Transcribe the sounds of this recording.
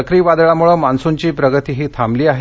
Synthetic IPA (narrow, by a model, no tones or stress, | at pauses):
əkɾiːʋad̪ɭamuɭəmansuɲt͡ɕiːpɾəɡət̪iːɦiːt̪ʰamliːaɦe